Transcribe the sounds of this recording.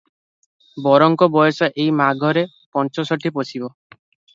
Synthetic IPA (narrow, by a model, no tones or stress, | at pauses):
bɔɾɔŋkɔbɔjɔsaʔejmaɡʱɔɾe | pɔnt͡ʃɔsɔʈʰiposʰibɔ